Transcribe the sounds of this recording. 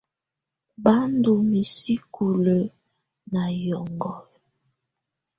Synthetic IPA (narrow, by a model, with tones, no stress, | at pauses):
ba˦ndu˨mi˨si˦kʰu˨lə˨ | na˨jɔ˨ŋɡɔ˨l